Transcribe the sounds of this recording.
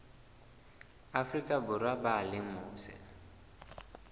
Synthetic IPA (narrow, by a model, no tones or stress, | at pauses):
afrikʼabʊɾwabalɪŋ̩mʊːsɛ̰